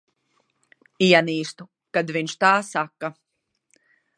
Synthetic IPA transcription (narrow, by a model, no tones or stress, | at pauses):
ijaniːst̪u | kad̪viɲʃt̪aːsakːa